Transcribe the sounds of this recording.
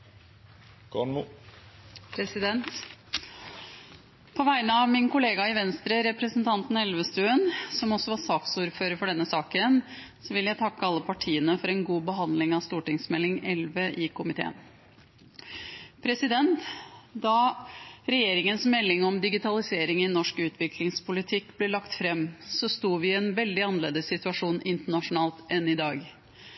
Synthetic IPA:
kʰɔɳmu | pʰɾɛsɪd̪ɛnt̪ | pʰɔʋæɪnəɑʋmɪnkʊleːɡɑɪʋɛnst̪ɾəɾɛpɾəsənt̪ʰɑnt̪n̩ɛlʋəst̪ʉːənsɔmɔsɔʋɑsɑːksuːɾføːɾəfɔɖɛnːəsɑːkən | sɔʋɪljæɪt̪ʰɑkːəɑlːəpʰɑʈʰiːənəfɔɾɛnɡuːbəɦɑnd̪lɪŋɑst̪uːʈɪŋsmɛlɪŋɛlʋəʔɪkʰʊmɪt̪ʰḛːə̰n | pʰɾɛsɪd̪ɛnt̪d̪ɑ | ɾɛjeːɾɪŋənsmɛlːɪŋɔmd̪ɪɡɪt̪ʰɑlɪseːɾɪŋɪnɔʂkʉːt̪ʰʋɪklɪŋspʊlɪt̪ʰɪkːb̥lɛlɑkt̪fɾɛmːsɔst̪uːʋɪɛnʋɛld̪ɪɑnəleːd̪əsːɪt̪ʉɑʂuːnɪnt̪əɳɑʂʊnɑːlt̪ɛnːɪd̪ɑːɡ

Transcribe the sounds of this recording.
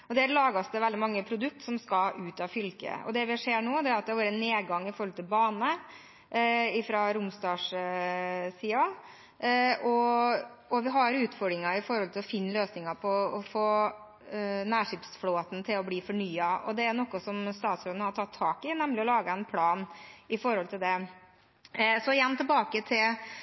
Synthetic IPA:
ɔd̪ɛæɾlɑːɡɑsd̪əʋɛld̪ɪmɑŋːəpʰɾʊd̪ʉk̚t̪sɔmskɑʔʉːt̪ɑʋfʏlkə̰ɔ̰d̪ɛʋɪʂeːɳoːd̪ɛæɾɑt̪̚d̪ɛhɑɾʋɑːɾəɛnːeːd̪ɡɑŋːɪfɔɾɔlt̪ʰɪlbɑːnə | ɪfɾɑɾʊmsd̪ɑːʂ | siːɑ | ʔɔ | ɔʋɪɦɑɾʉːt̪fɔɖɾɪŋɑɪfɔɾhɔlt̪ʰɪlɔfɪnːløːsnɪŋɑpʰɔɔfoː | næːʂɪpsfloːt̪n̩t̪ʰɪlɔbliːfɔɳyːɑɔ̰d̪ɛænɔkːɔsɔmst̪ɑːt̪sɾoːd̪nəhɑʈʰɑt̪ʰːɑːkɪnɛmlɪɔlɑːɡəɛnpʰlɑːnɪfɔɾhɔlt̪ʰɪld̪ɛ | sɔɪjɛnːt̪ʰɪlbɑːkət̪ʰɪl

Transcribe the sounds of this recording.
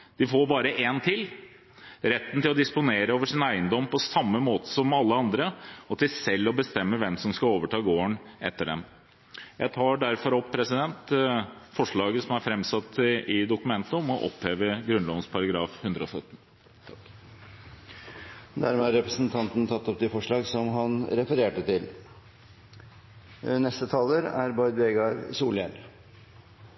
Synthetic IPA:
d̪̥ɪfoːɾbɑːɾəʔent̪ʰɪl | ɾɛt̪ːnt̪ɪlɔd̪ɪspʊneːɾəoːʋəʂɪnæɪənd̪ɔmːpɔsɑmːəmoːt̪ə̥sɔmɑlːəɑnd̪ɾəɔt̪ɪlsɛlːɔbəst̪ɛmːəʋɛmsɔmskɑoːʋəʈʰɑːɡoːəɳɛ̰t̪ːəɖɛ̰m | jæɪt̪ʰɑːɖæɾfɔɾɔppʰːɾɛsɪd̪ɛnt̪fɔʂɭɑːɡəsɔmæɾfɾɛmsɑt̪ːʔɪd̪ʊkʉmɛnt̪əɔmɔʔɔ̰pheːʋəɡɾʉnlɔʋnspʰɑɾɑɡɾɑːfhʉnd̪ɾəɔsœt̪ːn̩ | d̪æ̰ɾmɛɑɾɛpɾəsnt̪ʰɑnt̪n̩t̪ʰɑt̪ːɔp̚d̪ifɔʂɭɑːɡsɔmɦɑnɾɛfəɾeːʈət̪ʰɪl | nɛst̪ət̪ʰɑːləɾæ̰ɾbɑɪd̪ʋeɡɑɾ̰suːljɛn

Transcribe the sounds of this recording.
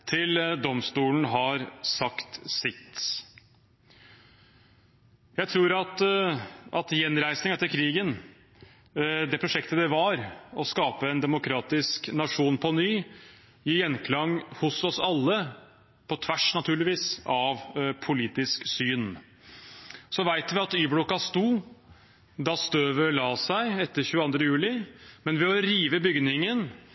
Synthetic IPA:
t̪ʰɪld̪ɔmst̪uːlən̩ɦɑɾsɑkt̪sɪt̪ | jæɪt̪ʰɾuːɾɑt̪ | ʔɑt̪jɛnɾæɪsnɪŋɛt̪ːəɾkʰɾiːɡən | d̪ɛpʰɾʊʂɛkt̪əd̪ɛʋɑɾɔskɑːpəɛnd̪ɛmʊkʰɾɑːt̪ɪsknɑʂuːnpʰɔnyː | ɪjɛnkʰlɑŋhʊsɔsɑlːə | pʰɔt̪ʰʋæʂnɑt̪ʰʉːɭɪʋiːsɑʋpʰʊliːt̪ɪsksyːn | sɔʋæɪt̪ʋɪɑt̪yːbɽʊkɑst̪uː | d̪ɑst̪øːʋəlɑːsæɪɛt̪ːəɾçʉːəɑnd̪ɾəjʉːlɪmɛnʋɛɔɾiːʋəbʏɡnɪŋən

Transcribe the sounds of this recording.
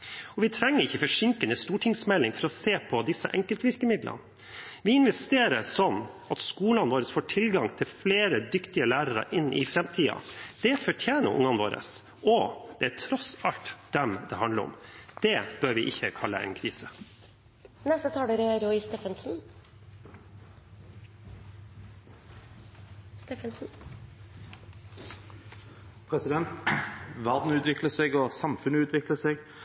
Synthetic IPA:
ɔʋɪt̪ʰɾɛŋːəɾɪçːəfɔʂɪŋkənəst̪uːʈʰɪŋsmɛlːɪŋfɔɾɔseːpʰɔd̪ɪsːəʔɛŋkəlt̪ʋɪɾkəmɪd̪lʔə̰n | ʋɪɪnʋɛst̪eːɾəsɔnː | ɑt̪skuːlɑnʋoːɾəsfoːʈʰɪlɡɑŋt̪ʰɪlfleːɾəd̪ʏkt̪ɪəlæːɾəɾə̰ʔɪnːʔɪ̰fɾɛmt̪ʰiːɑ̰d̪̥ɛfɔʈʰjeːnə̰ɾʔʊ̰ŋːɑnʋo̰ːɾə̰s | ɔd̪̥ɛæʈʰɾɔsɑlt̪d̪̥ɛmd̪ɛ̰hɑnləɾɔ̰md̪̥ɛb̥øːɾʋɪʔɪçːəkʰɑlːəɛ̰ːnkʰɾiːsə | nɛst̪ət̪ʰɑːɽəɾɛɾɔʏst̪eːfənsn̩ | st̪eːfənsn̩ | pʰɾɛsɪd̪ɛnt̪ʋɑːd̪n̩ʉːt̪ʋɪkləʂɛɡɔsɑmfʉnːəʉːt̪ʰʋɪkləʂɛɡ

